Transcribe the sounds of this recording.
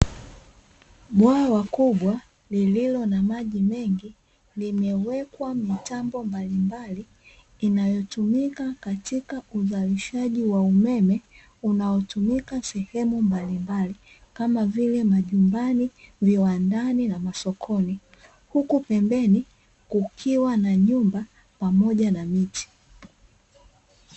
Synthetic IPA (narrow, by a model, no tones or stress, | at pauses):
ɓwaːwakuɓwa | lililɔnamaʄimɛŋɡi | limɛwɛkwamitambɔmbalimbaliː | najɔtumikakatikauzaliʃaʄiwaumɛmɛ | unaɔtumikasɛhɛmumbalimbali | kamavilɛmaʄumbaniviwandaninamasɔkʰɔni | hukupɛmbɛni | kukʰiwanaɲumba | pamɔʄanamiti̥